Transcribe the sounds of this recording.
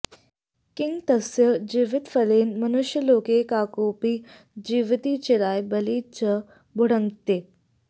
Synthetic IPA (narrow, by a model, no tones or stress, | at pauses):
kɪŋɡt̪ɐsjəd͡ʒiʋɪt̪fɐleːnmɐnʊʃjəloːkekaːkoːpiː | d͡ʒiːʋt̪iːt͡ʃɪɾaːjbɐliːt͡ʃə | bʊɽə̃ŋɡt̪eː